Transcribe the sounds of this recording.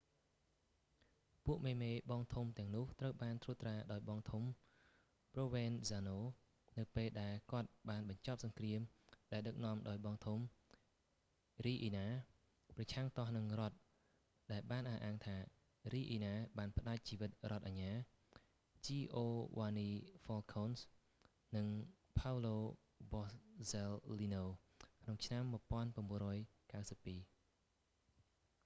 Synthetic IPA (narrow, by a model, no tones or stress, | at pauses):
puəʔmeːmeːɓɑːŋt̪ʰumt̪ɛ̆əŋnʊ̆əht̪rəwɓaːnt̪ʰruːt̪raːɗaɔjɓɑːŋt̪ʰum | proːʋeːnsaːnoː | nɨwpeːlɗaɛlkŏət̪̚ɓaːnɓɑɲt͡ɕɑp̚sɑŋkriəmɗaɛlɗɨk̚nɔ̆əmɗaɔjɓɑŋt̪ʰum | riːʔiːnaː | prɑt͡ɕʰaŋt̪ɑhnɨŋrŏət̪̚ | ɗaɛlɓaːnʔahʔaːŋt̪ʰaː | riːʔiːnaːɓaːnpə̆ɗac̚t͡ɕiːʋɨt̪̚rŏət̪̚ʔaɲːaː | t͡ɕiːʔoːʋaːniːfɔːlkʰoːns | nɨŋ | pʰawloː | bɑssɛlːinoː | kʰnoŋt͡ɕʰnamːŭəpŏənpaənmɓuənrɔːjkawsəpːiː